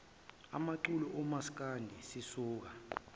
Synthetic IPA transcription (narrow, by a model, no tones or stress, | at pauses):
a̰maǃulɔʔɔmask̬ʼandʱisisuːk̬a